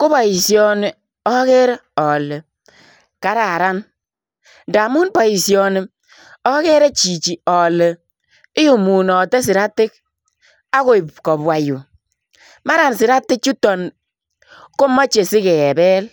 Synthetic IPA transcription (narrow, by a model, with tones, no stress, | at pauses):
ku˦bɔ˨i˨sjɔ˦˨ni˨ | ɔ˦ke˦ɾe˦ | ɔ˨le˨ | ka˨ɾa˨ɾa˦n | nda˨mu˦nbɔ˨i˨sjɔ˨ni˨ | ɔ˦ke˦ɾe˦t͡ʃi˨t͡ʃi˨ɔ˨le˨ | ɪ˦ju˨mu˨nɔ˨tɛ˦s̬i˨ɾa˦tɪ˦k̚ | a˦ko˦i˨pkɔ˨bwa˨ju˨ | ma˦ɾa˨nsi˨ɾa˦tːɪ˦k̚t͡ʃu˦tɔ˨n | ko˦mɔ˦t͡ʃe˨si˦kɛ˨bɛ˦l